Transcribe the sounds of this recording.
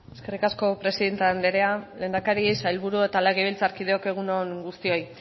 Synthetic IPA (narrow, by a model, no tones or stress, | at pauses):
eske̞rikasko̞pɾe̞siðe̞nt̪eand̪eɾe̞ale̞ːnd̪akaɾisailβuɾue̞t̪aleɣeβilt͡saɾkið̞eo̞ke̞ɣ̞unoŋɡust̪io̞j